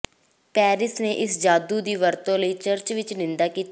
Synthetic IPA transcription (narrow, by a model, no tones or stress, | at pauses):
pɛːɾɪsneːʔɪsd͡ʒaːd̪uːd̪iːʋəɾt̪õːləiːt͡ʃəɾt͡ʃʋɪt͡ʃnɪ̃nd̪aːkiː